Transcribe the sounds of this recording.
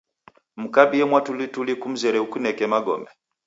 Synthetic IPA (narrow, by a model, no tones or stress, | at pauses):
m̩kabiɛmwatulitulikum̩zɛɾɛukunɛkɛmaɡɔ̰mɛ